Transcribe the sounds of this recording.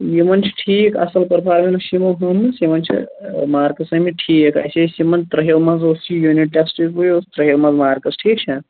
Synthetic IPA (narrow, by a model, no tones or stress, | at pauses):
jimɐnt͡ʃʰi̥ʈʰiːkɐ̰sɐlpɐɾpʰaːɾminusimɐɦɐmsimɐnt͡ʃʰḭmaːɾkɐsɐmiʈʰiːkɐ̰sesimɐnd̪t̪ɾɐɦewmɐzosijuniʈ̚ʈeksʈizbujot̪ɾɐɦjewmɐzmaːɾkɐsʈʰiːk̚t͡ʃʰɐ